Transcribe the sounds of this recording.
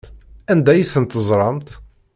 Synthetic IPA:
ænd̪æjəθənt̪əzˤɾˤɑmt̪

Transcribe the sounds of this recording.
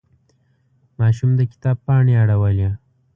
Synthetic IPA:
mɑʃumd̪əkɪ̥t̪ɑb̚pɑɳeaɽawəlja

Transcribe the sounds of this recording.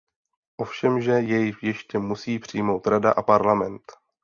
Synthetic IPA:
ʔo̞fʃɛmʒɛjɛjɪxjɛʃcɛmusiːpr̝̥ɪjmo̞wt̪ɾada̰ʔapaɾlamɛnt̪

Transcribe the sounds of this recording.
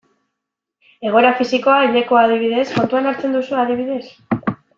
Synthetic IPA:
e̞ɣ̞o̞ɾafisiko̞aiʎekoað̞iβ̞iðe̞sko̞nt̪uanaɾt͡se̞nd̪usuaðiβ̞iðe̞s

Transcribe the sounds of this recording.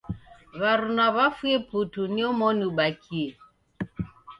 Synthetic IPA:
βaɾunaβafweputuniɔmɔnuɓakʰie

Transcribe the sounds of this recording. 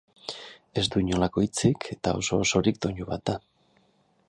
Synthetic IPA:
e̞zd̪uiɲo̞lako̞it͡sikʰe̞t̪ao̞̰so̞ːsoɾik̚d̪oɲuβa̰t̪̚d̪a

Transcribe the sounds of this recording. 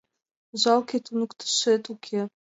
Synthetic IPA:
ʑɑlˠkʲet̪unukt̪ʰɤ̥̆ʃet̪ukʲʰe

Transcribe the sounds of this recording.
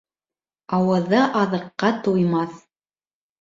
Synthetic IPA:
ɑwɤ̆ðɤʔɑðɤ̆qːɑt̪ujmɑθ

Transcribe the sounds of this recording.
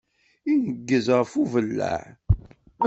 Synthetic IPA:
inəɡːəzʁəfuvəlːæ̰ʕ

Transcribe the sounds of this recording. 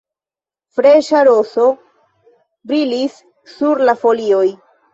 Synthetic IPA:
fɾe̞ʃaɾo̞so̞ | bɾilisː | uɾlafo̞lio̞j

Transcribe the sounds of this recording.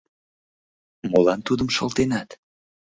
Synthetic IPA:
molɑnt̪ud̪əmʃɤlt̪enɑt̪

